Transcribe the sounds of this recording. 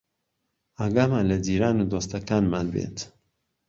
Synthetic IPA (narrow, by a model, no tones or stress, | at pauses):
aɡaːmanlɐd̪iːɾaːnud̪oːst̪ɐkaːnmaːnbḛt̪